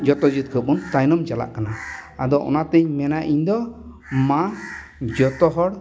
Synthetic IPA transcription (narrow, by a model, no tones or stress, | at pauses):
d͡ʒɔt̪ɔd͡ʒit̪̚kʰəpunt̪ajnɔmd͡ʒala̰ʔkanaad̪ɔʔɔ̰nat̪ɛɲmɛnaʔiɲd̪ɔ | mã | d͡ʒɔt̪ɔɦɔɽ